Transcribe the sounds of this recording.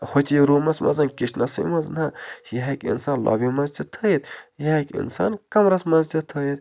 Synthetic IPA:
hot̪ʲiɾuːmɐsmʔɐ̰zɐnkiʃnɐsḭmɐznɐjɐɦɐkʲḭnsaːnlɔ̰ːbimɐzd͡ʒ̪it̪ʰəjit̪jɐɦɐkḭnsa̰ːnkɐmɾɐsmɐzd͡ʒit̪ʰːəjit̪

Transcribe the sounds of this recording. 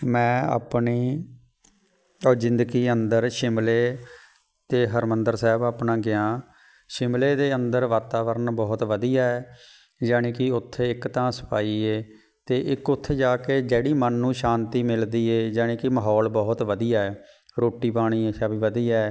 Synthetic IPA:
mɛ̃ːa̰ːpɳiː | ɔzɪ̃nd̪əɡiːənd̪əɾʃɪmleː | t̪eːɦəɾmənd̪əɾsɛːbaːpnãːɡɪãː | ʃɪmleːd̪eːənd̪əɾʋaːt̪aːʋəɾənbɔːt̪ʋəd̪iːjaːɛː | d͡ʒaːɽ̃eːkɪʊt̪ʰːeːɪkt̪ãːsə̥paːiːeː | t̪eːʔɪkʊt̪ʰːeːd͡ʒaːkeːd͡ʒeːɽiːmənːũːʃãːnt̪iːmɪld̪iːeːd͡ʒaːɽ̃ẽːkɪməɦɔːlbɔːt̪ʋəd̪ijaːɛː | ɾoːʈiːpaːɽ̃iːeːʃaːbiːʋəd̪iːaɛɛː

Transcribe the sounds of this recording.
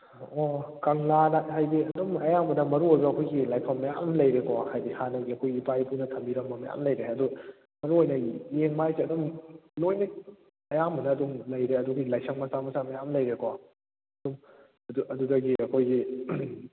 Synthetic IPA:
ɔkɐŋlanɐɦajbiɐdumɐjambɐnɐmɐɾuojbɐɐkʰojɡilajpʰɐmːɐja̰mlɐjɾekɔhajbihanɐɡiɐkʰojɡiipajpʰunɐtʰɐmbiɾɐŋbɐmɐja̰mlɐjɾeɐdu | mɐɾuojnɐjeŋmajsiɐdumnojnɐ | ɐjambɐnɐːdumlɐjɾeɐduɡilajsʰɐk̚mɐsamɐsamɐjamlɐjɾekɔ | ɐdum | ɐduɐdudɐɡiʔɐkʰojɡi

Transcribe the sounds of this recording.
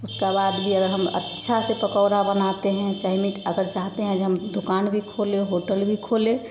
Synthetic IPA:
ʊskabaːd̪bʱiəɡəɾɦəmə̰tːʃʰasepəkɔːɾabənat̪eɦɛ̃t͡ʃaɪmiʈəɡəɾt͡ʃaɦt̪eɦɛ̃d͡ʒɦəmd̪ʊkaːnbʱikʰoːleɦoːʈəlbʱikʰoːlẽ

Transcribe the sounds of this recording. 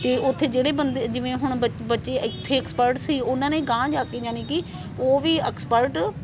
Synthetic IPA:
t̪eːʔʊt̪ʰːeːd͡ʒeːɽeːbənd̪ed͡ʒɪʋẽːɦʊɳ̃əbətːʃeːɪt̪ʰːeːɛːkspəɾʈsiːʊnãːnẽːɡãːd͡ʒaːkeːd͡ʒaːnẽːkɪ | oːʋiːɛːkspəɾʈ

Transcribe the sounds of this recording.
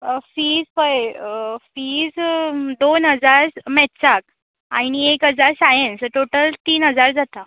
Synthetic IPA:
fiːd͡zpəjfiːd͡zd̪onɦəd͡zaɾmɛtsak̚ | añiekɦəd͡zaɾsajənsʈoʈəlt̪iːnɦəd͡zaɾd͡zat̪a

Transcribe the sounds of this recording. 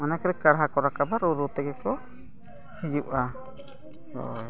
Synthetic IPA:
manakɾɛkaɽɦakɔɾakabaɾuɾut̪ɛɡɛkɔ | hid͡ʒuʔa | ɔ̰

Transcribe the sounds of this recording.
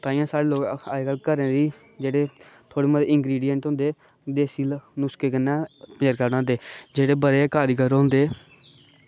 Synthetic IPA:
t̪ãːĩãːsaːɽeːloːka̰ːkəlkəɾẽːd̪iː | d͡ʒeːɽeːt̪ʰoːɽeːməd̪eɪŋɡɾiːɖijəɳʈɦʊ̃nd̪eː | d̪eːsiːlnʊskeːkənːãːpəɾkəɾnãːd̪eːd͡ʒeːɽeːbəɾeːkaːɾiːkəɾɦʊ̃nd̪eː

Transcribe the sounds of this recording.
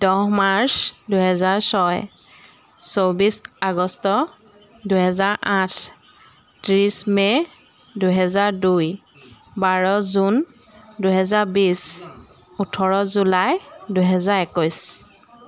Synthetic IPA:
d̥ɔɦmaɹsduɦɛzaɹsɔj | sowbisaɡɔstɔ | duɦɛzaɹʔãtʰ | tɹisme | duɦɛzaɹduj | baɹɔzun | duɦɛzaɹbis | utʰɔɹɔzulajduɦɛzaɹɛkɔjs

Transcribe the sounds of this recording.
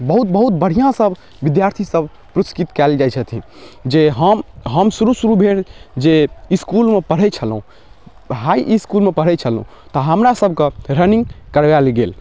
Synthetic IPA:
bəɦut̪̚bəɦut̪̚bəɽ̤ijãsəb | ʋid̪jaɾt̪ʰisəbʱ | pɾuskit̪kɛld͡ʒajt͡ʃʰət̪ʰĩ | d͡ʒeɦəmɦəmsuɾusuɾubʱeɽd͡ʒeiskulmepəɽ̤ɛt͡ʃʰəlɦũ | ɦaiʔiskulmepəɽ̤ɛt͡ʃʰəlɦṵ̃ | t̪ɔɦəmɾasəbʱkeɾəniŋɡkəɾʋalɡel

